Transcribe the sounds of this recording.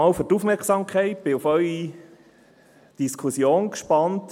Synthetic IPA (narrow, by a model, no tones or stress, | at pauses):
ɑːlføɾtufmɛɾksɑmkχɛɪt̚b̥ɪufœʏi | d̥iskʰusjoːnkʃpɑnt